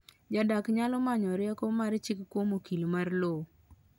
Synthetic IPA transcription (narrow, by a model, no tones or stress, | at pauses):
d͡ʒadakɲalɔmaɲɔɾɪakomaɾt͡ʃɪkkːwomokilmarlo